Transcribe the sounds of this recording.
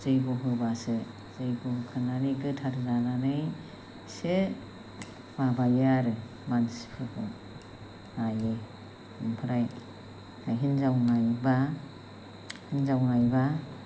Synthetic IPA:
zɯjbɔɦɯbase | zɯjbuɦɯkʰɯnanɯjɡɯtʰaɾzananɯj | se | mabajaɾɯ | mansi̥pʰɯhʰɯ | ajɯ | ɯmpʰɯɾaj | aɦinzawnajba | hinzawnajba

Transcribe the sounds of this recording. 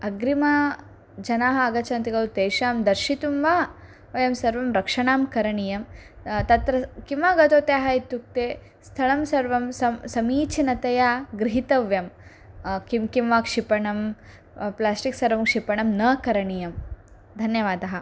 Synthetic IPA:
ɐɡɾimaː | d͡ʒɐnaːɦɐɐɡɐt͡ʃʰɐnt̪iɡɐwt̪eːʃaːmd̪ɐɾʃit̪umʋaː | ʋɐjɐmsɐɾʋɐmɾɐkʂɐɳaːmkɐɾɐɳijɐmt̪ɐt̪ɾɐkimʋaːɡɐt̪oːt̪jaːɦɐit̪juk̚t̪eː | st̪ʰɐɭɐmsɐɾʋɐmsɐsɐmiːt͡ʃʰinɐt̪ɐjaːɡɾiɦit̪ɐʋjɐm | kimkimʋaːkʂipɐɳɐm | plaːsʈiksɐɾʋɐmkʂipɐɳɐmnɐkɐɾɐɳijɐm | d̪ʱɐnjɐʋaːd̪ɐɦɐ

